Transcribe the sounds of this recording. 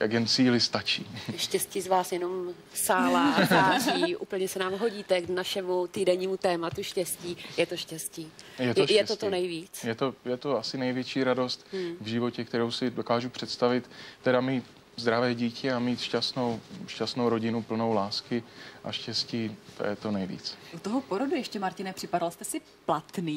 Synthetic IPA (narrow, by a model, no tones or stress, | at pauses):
ja̰ɡjɛnt͡siːlɪst̪at͡ʃiːʃcɛsciːzvaːsjɛno̞m | saːlazaːʒiːʔṵːpl̩ɲɛsɛnaːmɦo̞ɟiːt̪ɛknaʃɛmut̪iːdɛɲiːmut̪ɛːmat̪uʃcɛsciːjɛt̪oʃcɛsciːjɛtojɛt̪onɛjviːt͡sjɛt̪ojɛt̪oasɪnɛjvjɛt͡ʃiːɾado̞st̪vʒɪvo̞cɛk̚t̪ɛɾowsɪdokaːʒupr̥ɛt̪st̪avɪt̪ːɛdamiːt | zd̪ɾavɛːɟiːcɛamiːt̪ʃcast̪no̞wʃcast̪nowɾo̞ɟɪnupl̩no̞wlaːskɪʔa̰ʃcɛsciːt̪o̰jɛt̪onɛjvḭːt͡sʔut̪oɦopoɾodujɛʃcɛmaɾcɪnɛpr̥ɪpadalst̪ɛsɪ | plat̪niː